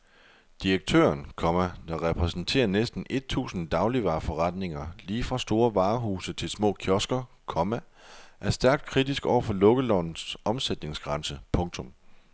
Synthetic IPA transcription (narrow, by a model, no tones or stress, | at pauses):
d̥iʁeɡ̥̚t͡sʰø̰ːɐnkʰɒ̽mæd̥ɑ̈ʁɛpʰʁɛsn̩t͡sʰe̝̰ːɐnesd̥n̩ʔe̝d̥̚t͡sʰṵːsn̩d̥ɑ̈ʊliʋɑ̈ːfɒ̽ʁɑ̈d̥ne̝ŋɐliːfʁɑ̈sd̥o̝ːɐʋɑ̈ːɦuːsət͡sʰe̝lsmɔ̰̽ːkʰjɒ̽sɡ̥ɐ | kʰɒ̽mæ | ʔæɐsd̥æɐɡ̥̚d̥̚kʰʁid̥isɡ̥ɒʊ̰ɐfɒ̽lɔ̽ɡ̥əlɒn̩sʔɒ̽msed̥ne̝ŋsɡ̥ʁɑ̈nsəpʰɔ̽ŋt͡sʰɔ̽m